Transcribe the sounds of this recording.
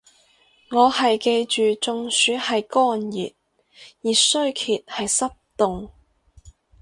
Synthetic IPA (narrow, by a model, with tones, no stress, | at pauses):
ŋɔː˨˧hɐ˨jke˧jt͡ʃyː˨t͡sʊ˧ŋsyː˨˧t̚hɐ˨jkɔː˥njḭː˨˩t̚ | jiː˨sɵ˥ɥkʰiː˨t̚hɐ˨jsɐ˥p̚t̪ʊ˨ŋ